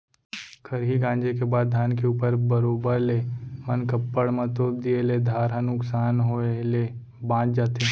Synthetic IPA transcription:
kʰəɾɦiɡãːnd͡ʒekebaːd̪̚ːʱjaːnkeuːpəɾbəɾoːbəɾleːmənkəpːəɽmɐ̃t̪oːb̚d̪ieled̪ʱaːɾɦənʊksaːnɦoele | bãːt͡ʃd͡ʒaːt̪e

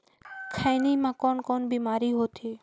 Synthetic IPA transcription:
kʰajniːmãːkɔːnkoːnbiːmaːɾiɦoːt̪ʰeː

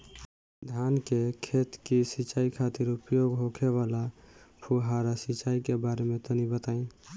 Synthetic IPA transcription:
d̪ʱjankekʰet̪kisit͡ʃaikʰat̪iɾupjoɡɦokʰeβalapʰuɦaɾasit͡ʃaikebaɾemet̪ənibət̪aĩ

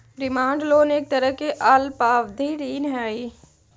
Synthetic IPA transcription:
ɾɪmãːɳɖloːneːk̚t̪əɾəkeʔalpaːʋd̪ʱiːɾiːnɦaːiː

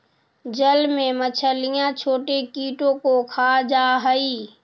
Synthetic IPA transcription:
d͡ʒəlmẽmət͡ʃʰəlɪjãt͡ʃʰoːʈekiːʈõkokʰaːd͡ʒaːɦəiː

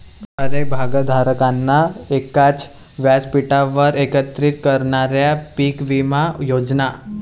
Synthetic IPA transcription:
əɾəjbʱaɡəd̪ʱaɾəkanːaekat͡s | ʋjad͡zpiʈaʋəɾekət̪ɾit̪kəɾɳaɾjapikʋimajod͡zna

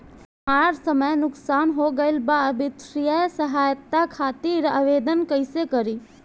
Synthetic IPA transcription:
aːɾsəməjnʊksaːnɦoɡəɪlbabɪt̪ɾijəsɐɦaːjt̪ːakʰaːt̪iːɾəʋeːd̪ənkəɪsekɐɾiː

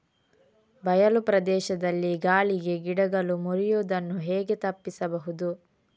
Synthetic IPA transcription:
bɐjɐlupɾɐd̪ɛːʃɐd̪ɐlːiɡaːliɡe̞ɡiɽɐɡɐlumuɾijoːd̪ɐnːuɦɛːɡe̞t̪ɐpːisɐbɐɦud̪u

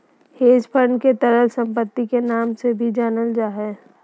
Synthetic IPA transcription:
heːd͡ʒpʰəɾɳket̪əɾəlsə̃mpət̪ːikenaːmsebʱid͡ʒaːnəld͡ʒaːɦɛː

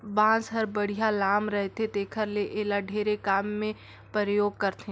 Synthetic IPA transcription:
bãːsɦəɾbəɽ̤ijalaːmɾɛɦt̪et̪eːkʰəɾleʔeːlaɖʱeːɾekaːmːẽ | pɾəɾəjoːɡ̚kəɾt̪ẽ

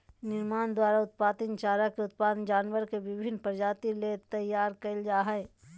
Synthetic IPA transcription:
nɪɾmaːnd̪waːɾaʊt̪̚paːt̪ənt͡ʃaːɾakeʊt̪̚paːd̪nd͡ʒaːnʋəɾkeʋɪbʱɪnpəɾd͡ʒaːt̪ilet̪ɐjːaːɾkɐld͡ʒaːɦɛe

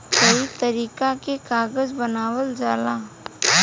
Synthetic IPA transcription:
kəit̪ɐɾiːkakekaːɡəzbɐnaːwəld͡ʒaːlaː

